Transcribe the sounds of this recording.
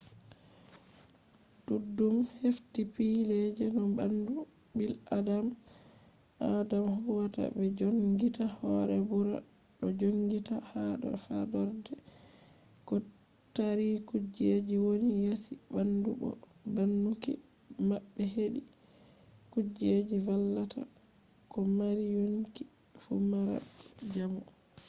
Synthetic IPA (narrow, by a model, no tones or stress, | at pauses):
d̥udːumheftipilɛd͡ʒɛnɔbandu | biladam | ʔadamhuwata̰bɛd͡ʒoŋɡitahɔɾɛbuɾa̰ | ɗɔd͡ʒoŋɡitahaɗɔ̰fadɔɾdɛ | kɔ | taɾikud͡ʒed͡ʒiwonijasibandubɔ̰ | banːukḭ | mabːɛɦeɗi | kud͡ʒed͡ʒivalːatʰa̰ | kɔmaɾijonki̥ | fumaɾa̰d͡ʒamu